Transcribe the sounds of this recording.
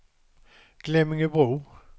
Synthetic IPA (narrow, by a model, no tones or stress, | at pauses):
ɡ̥lɛmɪŋəbʁuː